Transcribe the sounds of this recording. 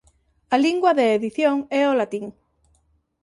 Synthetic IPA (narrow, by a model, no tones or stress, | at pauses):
aliŋɡwaðeːðiθjoŋɛolat̪iŋ